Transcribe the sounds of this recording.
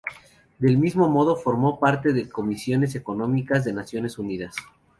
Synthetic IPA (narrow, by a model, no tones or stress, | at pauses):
d̪e̞lmizmo̞mo̞ð̞o̞fo̞ɾmo̞paɾt̪e̞ðeko̞misjo̞ne̞s̬e̞ko̞nõ̞mikazðe̞nasjo̞ne̞suniðas